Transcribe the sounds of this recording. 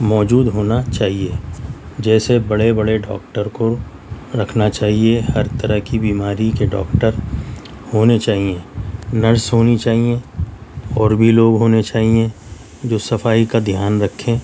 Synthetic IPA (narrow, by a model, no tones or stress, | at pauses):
mɔːd͡ʒuːd̪ɦoːnat͡ʃaːɦied͡ʒɛːsebɐɽebɐɽeɖɔ̰ːk̚ʈəɾko | ɾɐkʰnat͡ʃaːɦiehɐɾt̪əɾəɦkibiːmaːɾikeɖɔ̰ːkʈəɾ | hoːnet͡ʃaːɦiẽnəɾsɦoːnit͡ʃaːɦiẽ | ɔːɾbʱiloːɡɦoːnet͡ʃaːɦiẽ | d͡ʒoːsɐfaːikad̪ʱjaːnɾɐkʰːẽː